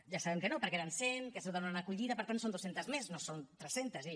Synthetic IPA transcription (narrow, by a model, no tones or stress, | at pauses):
ʒasaβɛmkənopəɾkɛɾansenkəsoðonanəkuʎiðəpəɾt̪ansond̪osent̪əzmesnosont̪ɾɛsent̪əzi